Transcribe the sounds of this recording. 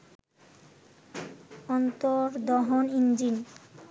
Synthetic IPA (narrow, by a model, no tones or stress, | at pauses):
ɔnt̪oɾd̪ɔɦonind͡ʑin